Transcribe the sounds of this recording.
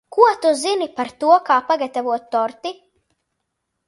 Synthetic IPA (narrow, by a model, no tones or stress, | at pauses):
kuɔt̪uzinipaɾt̪uɔkaːpaɡat̪avuɔt̪̚ːɔɾt̪i